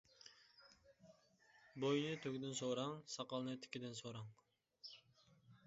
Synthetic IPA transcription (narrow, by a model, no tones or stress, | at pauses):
bojnɨt̪ʰøkʲd̪ɪnsoɾɑŋsɑqɑlˠnɨt̪ʰɪ̥kʲid̪ɪnsoɾɑŋ